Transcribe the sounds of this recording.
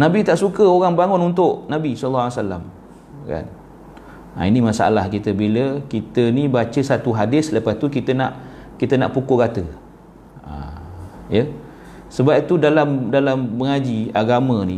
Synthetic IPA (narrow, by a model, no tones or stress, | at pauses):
nãbit̪aʔsukəoɣaŋbaŋʊnunt̪ʊʔnabisɔlːsala̰m | ka̰n | a̰inimasaa̰lahkit̪əbiləkit̪ənibat͡ʃəsat̪uɦadɪsləpast̪ukit̪ənaʔkit̪əna̰ʔpukoɡat̪ə | a̰ | jə | səbapit̪udalamdalamːəŋad͡ʒiaɡamə̃ni